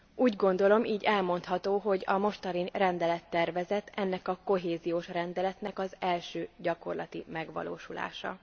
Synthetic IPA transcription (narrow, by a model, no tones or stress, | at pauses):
uːɟɡo̞nd̪o̞lo̞mʔiːɟɛlmo̞nt̪hɒt̪oːɦo̞ɟɒ̰mo̞ʃt̪ɒɾinrɛnd̪ɛlɛt̪ːɛrvɛzɛt̪ʰɛnːɛkɒko̞ɦeːzijoːʃrɛnd̪ɛlɛt̪nɛkɒzɛlʃøːɟɒko̞rlɒt̪imɛɡʋɒ̰lo̰ːʃula̰ːʃɒ̰